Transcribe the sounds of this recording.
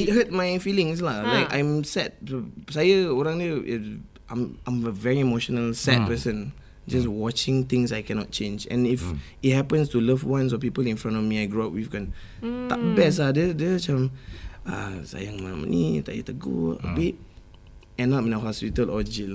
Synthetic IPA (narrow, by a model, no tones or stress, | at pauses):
it̚hət̚majfilĩŋs̬lalaɪkã̰jmsɛt̚osajəoɹãŋdəʔ | ã̰mãɪ̃məvɛɹiimoʃɔnəlsɛt̚pəsə̃n | d͡ʒaswɔt͡ʃɪ̃ŋt̪ɪ̃ŋsajkɛnɔ̰t̚t͡ʃẽnd͡ʒɛ̰̃nif | it̚hɛpə̃nstuləvwãns̬ɔpipəlĩnfɹãntɔfmiajɡɹuap̚wivɡɔn | ta̰k̚bɛs̬adɛdət͡ʃãma̰sa̰jaŋmamə̰nitajə̰tuɡo̰ə̰bit̚ | ɛ̃napĩnaɦɔspitəlɔd͡ʒil